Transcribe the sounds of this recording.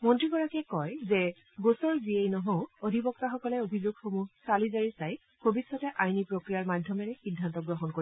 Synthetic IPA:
mɔntɹiɡɔɹakɛkɔjzɛ | ɡosɔɹziejnɔɦoʊodʱibɔk̚taxɔkɔlɛobʱizoɡxomuɦsalizaɹisaj | bʱobisɔtɛʔajnipɹokɹijaɹmadʱjɔmɛɹɛxidʱːantɔɡɹɔɦɔnkoɹi

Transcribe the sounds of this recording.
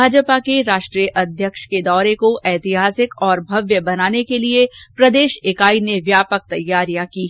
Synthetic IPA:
aːd͡ʒpakeɾaːʃʈɾijəʔɐd̪ʱjəkʃked̪ɔːɾekoʔɛːt̪ɪɦaːsɪkɔːɾbʱɐʋjəbɐnaːnekeliepɾɐd̪eːʃɪkaːineʋjaːpək̚t̪ɐjːaːɾijãkiɦ

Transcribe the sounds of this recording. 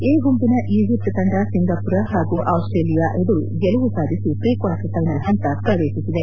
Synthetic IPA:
eːɡumpinɐʔiːʋipɾɐt̪ɐɳɖɐsiŋɡɐpuɾɐɦaːɡuʔɐwsʈɾeːlijaʔed̪ɐɾṵɡɛlɐʋusaːd̪ʱisipɾiːkaːʈɐt̪ɐjnɐd̪ɐnt̪ɐpɾɐʋeːʃisid̪e

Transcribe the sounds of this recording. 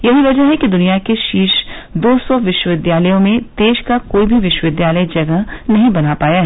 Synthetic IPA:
jɐɦiʋɐd͡ʒəɦɦɛkid̪ʊnijakeʃiːʃd̪oːsɔʋɪʃwəʋɪd̪jaːləjõmẽd̪̥eːʃkakoːibʱiʋɪʃwəʋɪd̪jaːləjd͡ʒɐɡəɦnɐɦĩbɐnapaːjaɦɛː

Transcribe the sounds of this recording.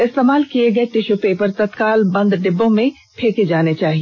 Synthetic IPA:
ɪst̪eːmaːlkieɡɐet̪ɪʃopepɐɾt̪ɐt̪kaːlbɐ̃nd̪ɖɪbːõmẽ | pʰeːked͡ʒaːnet͡ʃaːɦie

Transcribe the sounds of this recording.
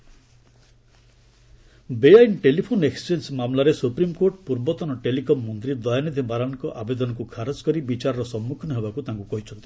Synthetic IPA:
beajnʈelipʰoneksd͡ʒensmamlaɾesupɾimkoɾʈpuɾbɔt̪ɔnɔʈelikɔmːɔnt̪ɾid̪ɔjanid̪ʱibaɾankɔʔabed̪ɔnɔkukʰaɾɔd͡ʒkɔɾibit͡ʃaɾɔɾɔsɔmːukʰɔnɔɦebakut̪aŋkukɔɦit͡ʃʰɔnt̪i

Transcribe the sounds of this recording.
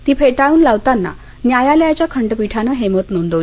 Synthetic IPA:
t̪iːpʰeʈaɭuːnlaʋt̪anːa̰ | njajaljat͡ɕjakʰəɳɖəpiʈʰanaɦemət̪nond̪o

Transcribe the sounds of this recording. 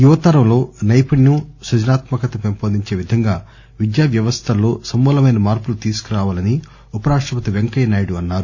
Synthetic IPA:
juʋɐt̪ɐːɾɐmlo̞ːnɐjpɐɳnusɐd͡ʒɐnaːt̪mɐkɐt̪ɐpempoːd̪iɲt͡ʃe̞ːʋid̪ʱɐŋɡaː | ʋid̪jaːʋjɐʋɐst̪ʰɐlːo̞ːsɐmːuːlɐmɐjnɐmaːɾpulut̪iːsu̥kuɾaːʋaːlɐni | upɐɾaːʂʈɾɐpɐt̪iʋeŋkɐjnaːjiɽuɐnːaːɾu

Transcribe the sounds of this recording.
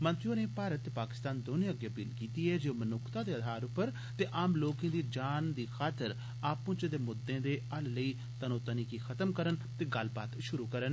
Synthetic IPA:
mə̃nt̪ɾijõːneːpaːɾət̪ːepaːkɪ̥st̪aːnd̪oːnẽːəɡjaːbilkiːt̪iːɛːd͡ʒemənʊkʰt̪aːd̪eːəd̪ʱaːɾʊpːəɾ | t̪eːʔaːmloːkẽːd̪iːd͡ʒaːnd̪iːxʰaːt̪əɾ | aːpʊ̃ːt͡ʃəd̪eːmʊd̪ːẽːd̪eːəlləiː | t̪ənoːt̪əniːkiːkʰət̪əmkəɾənt̪eːɡəlbaːt̪ʃʊɾuːkəɾən

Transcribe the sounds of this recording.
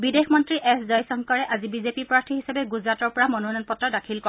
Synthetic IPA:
bidexmɔntɹiʔɛszajsɔŋkɔɹɛʔazibizepipɹaɹtʰiɦisabɛɡuzɹatɔɹpɔɹamɔnonɔnpɔtːɹɔdakʰilkɔ

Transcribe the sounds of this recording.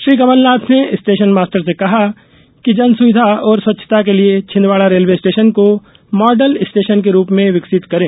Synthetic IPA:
ʃɾiːkɐməlnaːt̪ʰneɪsʈeːʃənmaːsʈəɾs̬ekɐɦa | kid͡ʒɐnsʊʋɪd̪ʱaɔːɾswɐtːʃʰə̥t̪akeliet͡ʃʰɪ̃nʋaːlaɾeːlʋeɪsʈeːʃənko | mɔːɖəlɪsʈeːʃənk̬eɾuːpmẽʋɪksɪt̪kɐɾẽː

